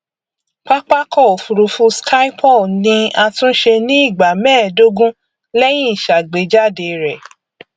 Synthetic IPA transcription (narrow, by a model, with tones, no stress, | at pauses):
k͡pa˦k͡pa˦kɔ˦˨fu˨ɾu˧fũ˧skʰa˦i˦pʰɔ˦˨nĩ˧a˧tũ˦ʃe˧nĩ˦i˦˨ɡ͡ba˨mɛ̃ː˦˨do˦ɡũ˦ | lɛ˦j̃ĩ˦i˨ʃa˨ɡ͡be˨˦d͡ʒa˦˨de˧ɾɛ˨